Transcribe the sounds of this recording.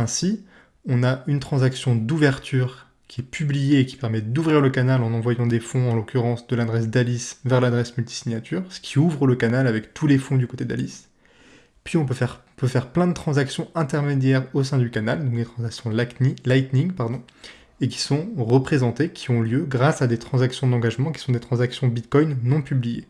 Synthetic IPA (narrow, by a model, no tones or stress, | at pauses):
ɛ̃si | ɔ̃naynt̪χɑ̃zaksjɔ̃d̪uvɛʁt̪ʰyːʁ | kʲiɛpyblijeːkʲi̥pɛʁmɛd̪uvʁiʁləkanalɑ̃nɑ̃vwajɑ̃d̪efɔ̃ɑ̃lokʲyʁɑ̃sd̪əlad̪ʁɛs̬d̪alisvɛʁlad̪ʁɛsmylt̪i̥siɲjat̪ʰyːʁsə̥kʲʰiuvʁələkanalavɛkt̪ʰulefɔ̃d̪ykot̪ed̪a̰lis | pɥiɔ̃pøfɛʁ̃ | pøfɛʁplɛ̃d̪ət̪χɑ̃zaksjɔ̃ɛ̃t̪ɛʁmed̪jɛʁosɛ̃d̪ykanald̪ɔ̃k̚d̪et̪χɑ̃zaksjɔ̃lajt̪nĩŋpaʁd̪ɔ̃ | ekʲi̥sɔ̃ʁəpχezɑ̃t̪ekʲʰiɔ̃ljøɡʁasad̪et̪χɑ̃zaksjɔ̃d̪ɑ̃ɡaʒmɑ̃kʲi̥sɔ̃d̪et̪χɑ̃zaksjɔ̃bit̪kɔjnːɔ̃pyblijḛ